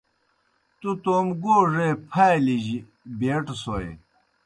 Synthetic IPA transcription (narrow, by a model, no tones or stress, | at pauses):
t̪ut̪oːmɡoːʐepʰajliʑi | beːʈsojḛ